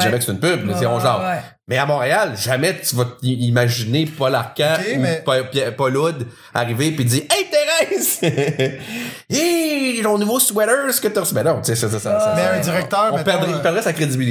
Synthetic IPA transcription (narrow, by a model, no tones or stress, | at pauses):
ʒamɛkəst̪ɨnpybmɛziɔ̃ʒla | mɛamɔ̃ːʁealʒamɛt̪yvʌt̪iimaʒinepɔlaʁkʲãuppɔlʊd̪ | a̰ʁivepiziːʁɛ̃t̪ɛʁɛɪs | et̪ɔ̃nuvoswɛɾə˞skət̪əʁsbɛ̃nɔ̃t͡sesɛssãziʁɛk̚t̪œːɔ̃pɛʁd̪ʁɛɔ̃pɛʁd̪ʁɛsakʁed͡z̪ibili